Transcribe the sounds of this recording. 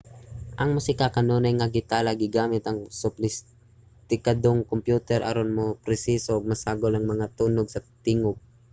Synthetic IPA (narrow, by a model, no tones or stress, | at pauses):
ʔɐŋmʊsɪkakɐnoːnɐjŋɐɡɪt̪aːlɐɡɪɡaːmɪt̪ɐŋsʊplɪs | t̪ɪkad̪oŋkompjuːt̪ɛɾʔɐ̰ɾonmopɾɪsiːsoʔɐɡ̚mɐsaːɡolɐŋmɐŋat̪uːnoɡsɐt̪ɪŋop̚